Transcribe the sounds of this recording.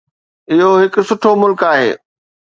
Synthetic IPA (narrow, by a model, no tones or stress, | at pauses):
ɪɦoɦɪkʊ̆sʊʈʰomʊlkaːɦḛː